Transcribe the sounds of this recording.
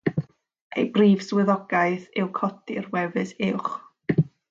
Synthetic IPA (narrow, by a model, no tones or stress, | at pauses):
ḛjbriːv̥swɨðɔɡ̥ajθɪwkʰɔdɪrwɛvɨsɪwχ